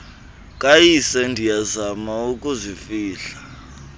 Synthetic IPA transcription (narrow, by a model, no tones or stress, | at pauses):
kʼajisɛndʱijazamaukʼuzifiːɬḁ